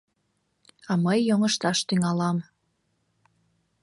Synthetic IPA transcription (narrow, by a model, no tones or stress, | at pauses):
ɑməjːoŋəʃt̪ɑʃt̪yŋɑlɑm